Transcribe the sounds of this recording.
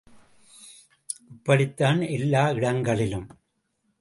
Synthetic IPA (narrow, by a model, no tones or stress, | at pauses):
ʔʊpːɐɽɪt̪ːaːnɛlːaːɪɽɐŋɡɐɭɪlɯm